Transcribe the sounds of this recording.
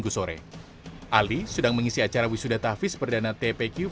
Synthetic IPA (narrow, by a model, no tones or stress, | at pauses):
ɡusoɾɛ̰ | ʔalisədaŋməŋisiat͡ʃaɾawisudat̪afɪspərdanat̪ɛpekju